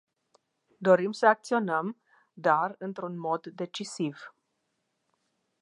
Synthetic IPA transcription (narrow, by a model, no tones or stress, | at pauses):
d̪o̞ɾimsəak̚t̪sio̞nəm | d̪arɨnt̪ɾunmo̞d̪ːe̞t͡ʃisiv